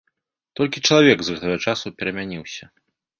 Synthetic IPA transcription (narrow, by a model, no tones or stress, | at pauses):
t̪ɔlʲkʲit͡ʂɐlˠavʲɛɡzɣɛt̪ɐɣɐt͡ʂasupʲɛɾɐmʲanʲiwsʲɐ